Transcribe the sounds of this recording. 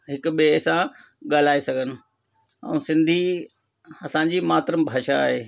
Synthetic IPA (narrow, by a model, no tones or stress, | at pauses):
ɦɪkʊɓesã | ɠaːl̤aːesɐɡʱənɪ̆ | ɛ̰̃ũsɪ̃nd̪ʱi | ɐsãɲ̆d͡ʑimaːt̪ɾəmbʱaːʃaːɦeː